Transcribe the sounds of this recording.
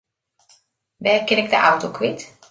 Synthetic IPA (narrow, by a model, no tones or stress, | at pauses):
ʋɛːrkɪnɪk̚dəʔawtokʰʋɪt